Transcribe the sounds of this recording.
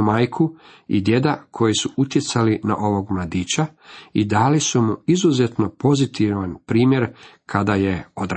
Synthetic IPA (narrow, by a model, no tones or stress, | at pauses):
maːjkʰu | ḭd̪je̞d̪akʰo̞jisuʔut̪je̞t̪salina̰ʔo̞ʋo̞ɡmlˠad̪iːt͡ɕaid̪aːlisumuizuzet̪no̞po̞zit̪iʋanpɾiːmje̞ɾkʰad̪ajeod̪ɾ